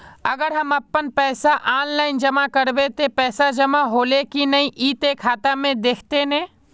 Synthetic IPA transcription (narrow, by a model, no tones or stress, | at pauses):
ɐɡəɾɦɐmɐpːənpɛːsaʔaːnlaːɪnd͡ʒɐmakɐɾbet̪epɛːsad͡ʒɐmaɦoːlekinɐĩʔiːt̪ekʰaːt̪amẽd̪eːkʰt̪enẽː